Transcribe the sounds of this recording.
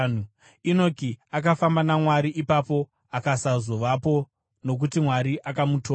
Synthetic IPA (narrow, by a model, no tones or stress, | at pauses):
u | ino̞kiak̬afambanamwaɾiʔipapo̞ | akasazo̞ʋapo̞ | no̞k̬utimwaɾiʔakamutoː